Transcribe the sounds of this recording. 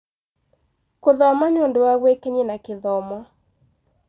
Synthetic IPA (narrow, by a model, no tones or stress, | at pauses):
koðɔamaɲondoaɡwekeɲenakɪðɔmɔ